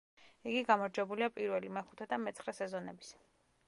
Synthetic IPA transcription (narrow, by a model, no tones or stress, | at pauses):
iɡiɡamɔɾd͡ʒwɛbuliapʼiɾvɛlimɛχu̥t̪ʰɛd̪amɛt̪sʰχɾɛsɛzɔnɛbis